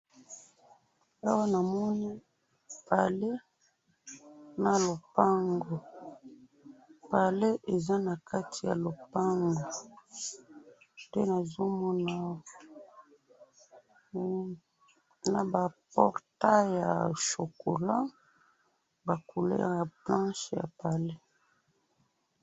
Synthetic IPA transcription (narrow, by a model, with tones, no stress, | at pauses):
a˦wa˦na˨mɔ˦ni˦ | pa˨le˦ | na˨lo˨pa˦ŋɡo˨ | pa˨le˦ʔe˨za˦na˨ka˦tʰi˨ja̰˨lo˨pa˦ŋɡo˨ | dɛ˦na˨zo˦mɔ˦na˦ | na˨ba˨pɔ˦˨ʁta˦ja̰˨ʃo˨ko˨la˦ | ba˨ku˨lɛ̰˦a˨plã˦ʃja̰˨pa˨le˦